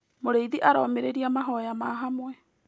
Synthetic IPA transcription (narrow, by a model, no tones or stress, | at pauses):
moɾeiðiʔaɾɔmeɾeɾiamaɦɔjamaɦamwɛ